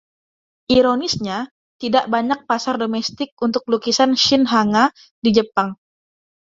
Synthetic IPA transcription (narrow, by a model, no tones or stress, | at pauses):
ʔiɾonɪsɲa | t̪idaʔbaɲak̚pasardomɛst̪ɪk̚unt̪ʊk̚lukisanʃɪnɦaŋa | did͡ʒəpaŋ